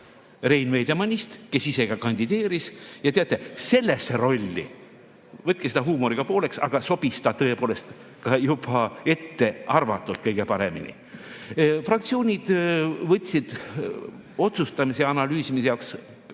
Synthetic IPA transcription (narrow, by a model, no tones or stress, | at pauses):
re̞jnvejd̪e̞mɑnʲist̪ke̞sise̞ɡ̥ɑkɑnʲd̪̥id̪̥e̞ːɾisjɑt̪e̞ɑt̪ˑːe̞se̞lːesːeɾo̞lʲːḭ | vɤt̪̚kesed̪ɑɦuːmoɾiɡ̥ɑpo̞ːle̞ksɑ̰ɡ̥ɑso̞b̥ist̪ɑt̪ɤ̞e̞poːle̞st̪ | kɑjubɑe̞t̪ːe̞ɑrvɑt̪ːˑult̪kɤjɡe̞pɑɾe̞mḭnḭ | frɑk̚t̪sio̞ːnʲid̪̥vɤt̪ʲˑːsid̪̥ | o̞t̪sust̪ɑmiseɑnɑlyːsimisejɑwks